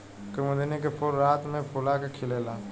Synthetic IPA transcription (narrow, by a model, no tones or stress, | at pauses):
kɪmʊd̪inekepʰʊɾːaːt̪mẽpʰʊlakekʰɪleːlaː